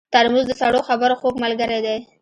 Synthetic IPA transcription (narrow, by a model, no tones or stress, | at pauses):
t̪aɾmuzd̪əsaɽoxabaɾoxoɡmalɡəɾed̪aj